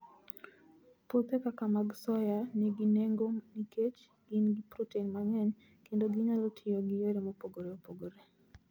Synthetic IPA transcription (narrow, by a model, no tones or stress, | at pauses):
pot̪ekakamaɡsɔjanɛɡineŋɡoniket͡ʃ | ɡɪnɡipɾɔteinmaɲɛɲ | kendoɡɪɲalotʰɪjoɡɪjoɾemopoɡoɾeopoɡoɾe